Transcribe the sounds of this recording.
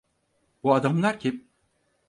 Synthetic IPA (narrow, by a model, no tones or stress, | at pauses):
b̥uad̪amlˠaɾcʰʲi